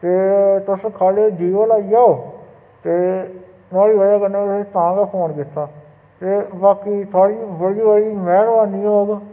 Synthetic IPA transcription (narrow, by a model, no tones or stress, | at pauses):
t̪eːt̪ʊskʰaːleːd͡ʒiːʋəlaːijaːoː | t̪eː | naːɽiːʋəaːkənːeːst̪ãːɡaːpʰoːɳkɪt̪ːaː | t̪eːbaːkiːt̪ʰoaːɽiːbəɽiːʋəɽiːmɛːɳbaːniːɦoːɡ